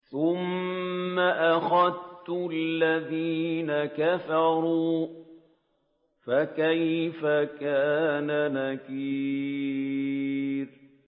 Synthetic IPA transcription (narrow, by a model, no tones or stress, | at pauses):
θʊmː | aʔaxaðt̪ʊalːaðiːnakafɑɾˤuː | fakajfakaːnanakiː | ɾ